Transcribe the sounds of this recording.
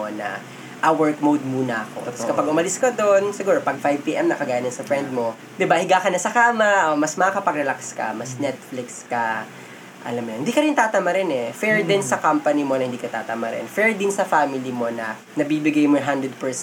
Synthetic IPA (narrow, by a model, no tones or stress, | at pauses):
onɐ̰ | ʔawɛɹt̪mowd̪̚muːnɐʔɐko̰t̪ɐposkɐpɐɡʔʊmɐlɪskɐd̪onsɪɡuːɾopɐɡ̚fajv̚piːʔɛmnɐkɐɡaːjɐnɪnsɐfɹɛnd̪̚mo̞ | d̪ɪbahɪɡaːkɐnɐsɐkamɐʔomɐsmɐakɐpɐɡɾɛlakskɐ̰mɐsnɛt̪̚flɪkskɐ | ʔɐ̰lɐmjonhɪnd̪iːkɐɾɪnt̪aːt̪ɐmɐɾɛnɛfɛɹd̪ɪnsɐkampɐnɪmo̞nɐhɪnd̪iːkɐt̪aːt̪ɐmɐɾɛ̰nfɛɹd̪ɪnsɐfaːmɪlimo̞nɐ | nɐbiːbɪɡajmoɦand̪ɾɛd̪̚pɛɹs